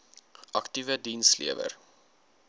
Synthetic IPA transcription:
ʔɐktivədinslḭəvə̰r

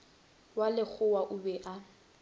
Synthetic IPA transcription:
walɪk͡xʰʊwaʔʊbɛʔa

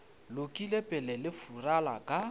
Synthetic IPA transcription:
lʊkʼilepʼɛlɛlɪfuralakʼa

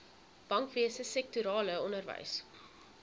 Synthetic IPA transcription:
b̥ɐŋkviəsəsɛk̚tuɾɑːləɔnərvɛ̰js

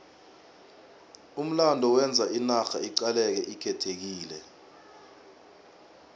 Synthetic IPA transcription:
um̩landʱɔwɛnd͡zʱainaxaiǀalɛk̬ɛʔikʰɛtʰek̬iːlɛ

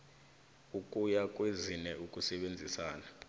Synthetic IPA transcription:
ukʼujakʼwezinɛukʼusɛɓend͡zʱisaːna

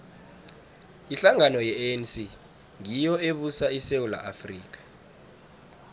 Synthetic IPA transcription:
iɬaŋanɔjɛnsi | ŋijɔeɓusaisewula̰ʔafriːk̬ʼḁ

